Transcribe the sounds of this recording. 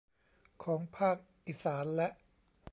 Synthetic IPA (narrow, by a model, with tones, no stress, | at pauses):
kʰɔː˩˦ŋpʰaː˥˩k̚ | ʔiː˨˩saː˩˦nlɛ˦˥ʔ